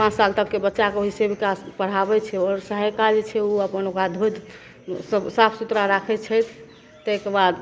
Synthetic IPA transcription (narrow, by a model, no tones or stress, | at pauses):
pãt͡ʃsalt̪əkːebətːʃakeoɦisebikaspəɽ̤abɛt͡ʃʰɛɔɾsəɦəjkad͡ʒt͡ʃʰɛuəpənokɾad̪ʱod̪ | səbsapʰsut̪ɾaɾakʰɛt͡ʃʰɛt̪ʰ | t̪ekebad̪